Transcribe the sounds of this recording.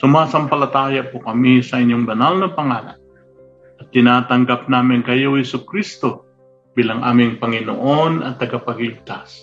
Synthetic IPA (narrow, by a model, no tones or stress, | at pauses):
sʊmaːsɐmpɐlɐt̪aːjapokɐmisɐʔɪɲjoŋbɐnalnɐpɐŋaːla̰n | ɐt̪ːɪnaːt̪ɐŋɡap̚naːmɪŋkɐjowhɪsʊkɾist̪o | b̥iːlaŋʔa̰ːmɪŋpɐŋɪno̰ʔonɐt̪ːɐɡapɐɡlɪb̚t̪as